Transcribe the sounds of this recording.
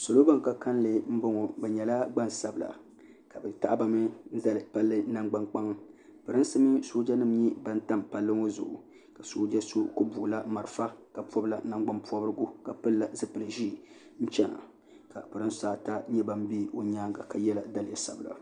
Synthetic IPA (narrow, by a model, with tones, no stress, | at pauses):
so˨lo˦ba˦ŋ˨ka˦ka˦n˦lɨ˨m̩˦bo˦ŋo˨bɛ˨ɲɛ˨la˦ɡ͡ba˦n˨sa˨bɨ˨la̰˨ | ka˨bɛ˨ta˦ʔa˦ba˨mɨ˦n̩˦za˦˨lɨ˨pa˦lːɨ˦na˦ŋɡ͡ba˦ŋk͡pa˦ŋ˦pɨ˨ɾɨ˦n˦sɨ˦mɨ˦soː˦d͡ʒa˦nɨ˦m˦ɲi˦ba˦n˦ta˦m˨pa˦lːɨ˦ŋo˦zʊ̰˨ʔʊ˨ | ka˨so˦d͡ʒa˦so˦ko˦bu˨la˦ma˨ɾɨ˨fa˦ka˨pɔ˦bla̰˨na˦ŋɡ͡ba˦mpɔ˦bɨ˦ɾɨ˦ɡu˦ka˨pɨ˦lla˨zɨ˦pɨ˨lɨ˨ʒi˦˨ | n̩˦t͡ʃɛ˦na̰˨ | ka̰˨pɨ˨ɾɨ˦nsaː˦ta˦ɲɛ˦ba˨m˦bi˦o˦ɲaː˦ŋɡa˨ka˨jɛ˦la˨da˦lɪ˨ja˨sa˨bla̰˨